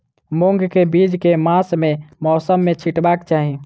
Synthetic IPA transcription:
moŋɡkebid͡ʒkemasmemɔsəmːet͡ʃʰiʈbakt͡ʃaɦi

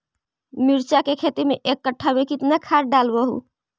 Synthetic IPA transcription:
miɾt͡ʃakekʰet̪imeʔekːəʈʰːamekit̪nakʰaɾɖalbəɦṵ

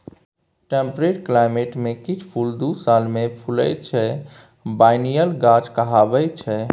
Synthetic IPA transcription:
ʈempɾeʈklaɪmeʈmẽkit͡ʃʰpʰuld̪usalmẽpʰulə̰jt͡ʃʰɛ | baɪnijəlɡad͡ʒkəɦabɛjt͡ʃʰɛ

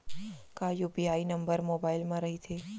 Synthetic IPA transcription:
kajupiainəmbəɾmobailmãɾəɦit̪ʰe

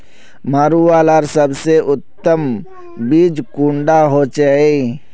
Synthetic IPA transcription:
maːɾuaːlaɾsəbseʔʊt̪ːəm | bid͡ʒkũːɳɖaɦot͡ʃəe

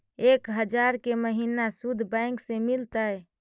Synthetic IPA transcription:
ekɦəd͡ʒaɾkeməɦinasud̪ʱbãɪ̃ŋksemilt̪əj

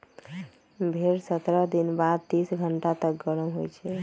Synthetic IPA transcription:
bʱeɾsət̪ɾəd̪inbad̪̚t̪isɡʱəɳʈat̪ək̚ɡəɾəmɦojt͡ʃʰɛ

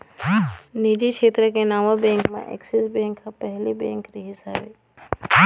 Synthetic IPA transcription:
nid͡ʒikʰeːt̪ɾəkenaːmobẽŋkmã̰ʔḛksisbẽŋkːapəɦlibẽŋkɾiɦɪsaːbe

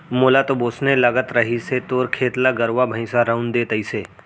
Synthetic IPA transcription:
moːlat̪oboːsnelɐɡət̪ɾəɦiset̪oːɾkʰeːt̪laɡəɾʋabʱə̃ɪ̃saɾə̃ʊnd̪eːt̪əiseː

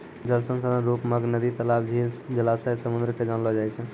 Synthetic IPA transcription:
d͡ʒəlsə̃ŋsəd̪ãɾupməɡnəd̪it̪əlab̚d͡ʒʱild͡ʒəlasəsəmund̪ɾked͡ʒanlɦɔd͡ʒaɛt͡ʃʰə̃

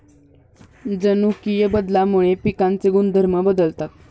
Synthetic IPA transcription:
d͡zənukijəbəd̪lamuɭ̃epikant͡seɡund̪ʱəɾməbəd̪əlt̪at̪̚

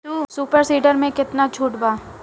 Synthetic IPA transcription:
usuːpəɾsiːɖəɾmẽkɪt̪nat͡ʃʰuːʈbaː

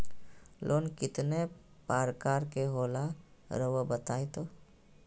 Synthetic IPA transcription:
lʔoːnkɪt̪ne | paːɾkaːɾkeɦoːlaɾəʋobət̪aːet̪oː

